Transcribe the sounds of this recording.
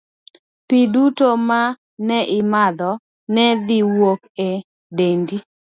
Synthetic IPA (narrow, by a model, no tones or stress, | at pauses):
pidutoma | nɛʔɪmad̪ɔ | nɛd̪ɪwok̚e | dendi